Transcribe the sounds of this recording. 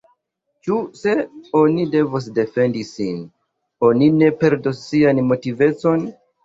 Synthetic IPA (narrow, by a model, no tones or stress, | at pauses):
t͡ʃuse̞o̞nide̞vos̬de̞fe̞ndisḭn | o̞nine̞pe̞ɾdosːianmo̞tive̞t͡so̞n